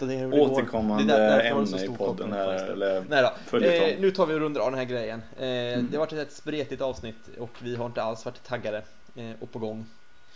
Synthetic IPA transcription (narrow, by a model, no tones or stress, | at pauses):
d̪ɛoːt̪ːəkʰɔmːanɛdd̪æəd̪æɛɾsuːɔd̪ːənɛ̰lːəɾnɛjd̪ɑfœlənʉ̟ːt̪ʰɑːɾvɪɔɾɵnd̪ɾavd̪ɛnɦæːɾɡɾɛjːən | d̪ɛhavaʈːɛt̪vɛt̪spɾeːt̪ɪt̪ɑːvsnɪt̪ːɔkvɪɦaɾɪnt̪əalsvaʈːt̪ʰːaɡːaɾə | ɔpʰɔɡɔŋː